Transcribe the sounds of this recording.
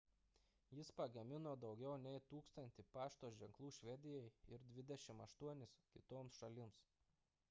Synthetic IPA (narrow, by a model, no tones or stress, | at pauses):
jɪspɐɡɐmʲɪnoːd̪ɒʊɡʲɛʊnʲɛɪt̪uːkst̪ɐnʲt̪ʲɪpɑːʃt̪oːʒʲɛŋklˠuːʃʲʋʲɛd̪ʲɪjɛɪɪɾd̪ʲʋʲɪd̪ʲɛʃʲɪmɐʃt̪uɔnʲɪskʲɪt̪oːmsʃɐlʲɪms